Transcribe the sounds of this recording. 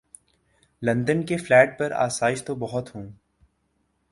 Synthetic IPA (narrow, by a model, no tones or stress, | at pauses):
lɐ̃nd̪ənkeflɛːʈ̚pɐɾa̰ːsaːɪʃt̪obɐɦʊt̪ɦũː